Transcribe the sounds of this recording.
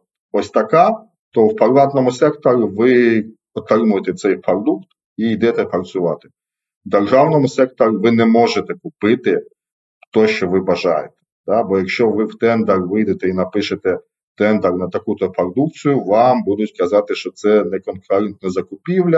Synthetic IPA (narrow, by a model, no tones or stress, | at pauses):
ɔsʲt̪ɐkɑ | t̪ɔwpɐɾlˠɑt̪nɔmʊsɛkt̪ɔɾʲʊʋɪ | ɔt̪rɪmʊjet̪ɛt̪sɛjpɾɔd̪ukt̪ | ijd̪ɛt̪ɛpɐrt͡s̪ʲʊʋɑt̪ɪ̥ | d̪erʒɑwnɔmʊsɛk̚t̪ɔɾʊʋɪnɛmɔʒet̪ɛkʊpɪt̪ɪ | t̪ɔʃt͡ʃɔʋɪbɐʒɑjet̪ɛ̥t̪ɑbɔjɐkʃt͡ʃɔʋɪwt̪ɛnd̪ɐrʋɪjd̪et̪ɛinɐpɪʃet̪ɛ | t̪ɛnd̪ɐrnɐt̪ɐkut̪ɔpɐrd̪uk̚t͡sʲijʊʋɑmbud̪ʊtʲkɐzɑt̪ɪʃt͡ʃɔt̪sɛnɛkɔnkɔɾɛnt̪nɔzɐkʊpʲiwlʲɐ